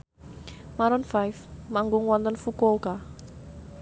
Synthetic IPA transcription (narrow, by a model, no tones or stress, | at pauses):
maɾɔnfajfmaŋɡʊŋwɔnt̪ənfukoka